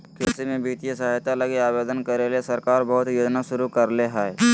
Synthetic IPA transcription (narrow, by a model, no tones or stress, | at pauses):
keːsemẽbiːt̪ijesaɦjt̪alɐɡiaːʋeːd̪ənkɐɾeliesɐɾkaːɾbɐɦʊt̪joːd͡ʒnaʃʊɾukɐɾleɦɛːe